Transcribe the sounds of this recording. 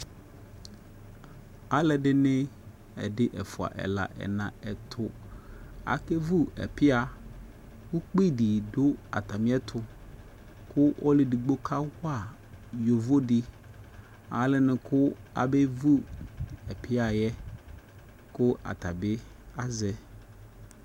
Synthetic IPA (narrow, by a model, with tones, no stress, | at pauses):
a˨˦lɛ˨dɪ˦nɪ̃˦ | ɛ̰˨dɪ˦ʔɛ˨fʊ˨a̰˨ʔɛ̰˨la̰˨ʔɛ̰˨nã̰˨ɛ˨t̪ʰʊ˨ | a̰˨ke˦vu˦ɛ̰˨pɪ˦a˨ | wu˦k͡pi˦˨di˨dʊ˦a̰˨t̪a˨mɪ̃˦ɛ˦t̪ʰʊ˨ | kʰʊ˦ʔɔ˦lɪ˨di˨ɡ͡bo˦kʰa˦hʊ˦a˦˨ | jo˨vo˦dɪ˦ | a̰˨˦lɪ˦nɪ̃˨kʰʊ˦a̰˨bɛ˦vu˦ɛ˨pʰɪ˦a˨jɛ˦ | kʊ˦ʔa̰˨t̪a˨bɪ˦ | a˦zɛ˨